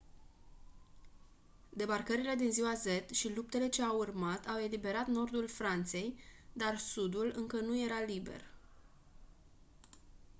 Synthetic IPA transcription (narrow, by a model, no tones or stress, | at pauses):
d̪e̞barkəɾile̞d̪inziwaze̞t̪ʃilup̚t̪e̞le̞t͡ʃe̞awurmat̪ʰawe̞libe̞ɾat̪no̞rd̪ulfɾant̪se̞jd̪arsud̪ulɨŋkənuje̞ɾalibe̞̰r